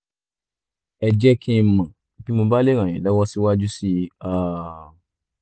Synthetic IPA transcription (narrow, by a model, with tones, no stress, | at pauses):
ɛ˧d͡ʒɛ˦kʰĩ˦˧˨mã˨bi˨˦mo˧ba˦le˦ɾ̃ã˨ɛ̰̃˨lɔ˨˦wɔ˦si˦wa˦d͡ʒu˦si˦a˦